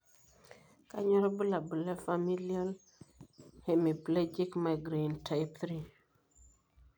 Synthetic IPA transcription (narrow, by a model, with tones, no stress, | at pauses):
ka̰˦ɲɔ˦ɾɔ˦bə˦la˨bə˨la˦fa˨mi˦lia˦l | he˨mi˨ple˦d͡ʒi˦kma˨ɡɾe˨nta˨ɪpθɾi˦